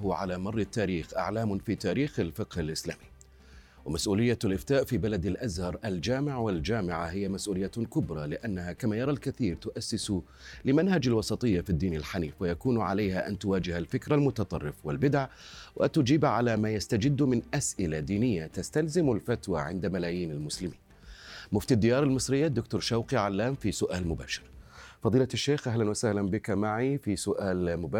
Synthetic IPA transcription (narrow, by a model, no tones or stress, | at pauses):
ʊʕalamɑrˤːɪt̪ːaːɾiːxʔa̰ʕlaːmʊfiːt̪aːɾiːxalfɪqhalʔɪslaːmiː | wamasʔuːlɪjːalʔɪft̪aːʔfiːbalad̪alʔazhɑɾˤʔald͡ʒaːmɪʕwald͡ʒaːmɪʕahɪjamasʔuːlɪjːakʊbɾˤɑlɪʔanːahakamaːjɑɾˤɑlkaθiːɾt̪ʊʔasːɪs | lɪmanhad͡ʒalwɑsˤɑt̪ˤɨjːafid̪ːiːnalħaniːfwajakuːnʕalajhaʔa̰nt̪ʊwaːd͡ʒɪhalfɪkɾalmʊt̪ɑt̪ˤɑ̰rˤːɪfwɪlbɪd̪aʕwʔat̪ʊd͡ʒiːbʕalamaːjast̪ad͡ʒɪd̪ːmɪnʔasʔɪlad̪iːnɪjːat̪ast̪alzɪmalfat̪wa̰ʕɪ̰nd̪amalaːjiːnalmʊslɪmiːn | mʊft̪ad̪ːɪjɑːɾˤalmɨsˤɾɪjːad̪ːʊk̚t̪ʊːɾˤʃawqiʕalːaːmfisʊʔaːlmʊba̰ːʃɪ̥ɾfɑðˤiːlaʃːeːxʔahlanwasahlanbɪkamaʕifisʊʔaːlmʊbaː